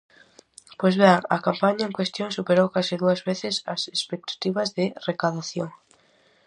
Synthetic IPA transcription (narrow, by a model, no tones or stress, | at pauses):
pojzβeŋɐkampaɲaẽŋkwest̪jõŋsupeɾowkasɪðuɐzβeθɪsɐsespek̚t̪ḁt̪iβɐzðɪrekaðaθjoŋ